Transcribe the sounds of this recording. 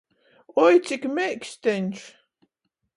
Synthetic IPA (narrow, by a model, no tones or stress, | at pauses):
ɔjt̪sʲikmɛjksʲt̪ɛnʲʃ